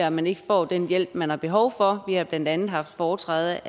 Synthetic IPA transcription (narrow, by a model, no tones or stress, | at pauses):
æmæne̝ɡ̥əfɒ̰ːd̥enjel̰b̥mænhɑ̈b̥e̝ɦɒ̽ʊfɒ̽ʋihɑ̈b̥lænd̥ænð̩ˠɦɑ̈fd̥fɒːt͡sʰʁɛ̰ːð̩ˠ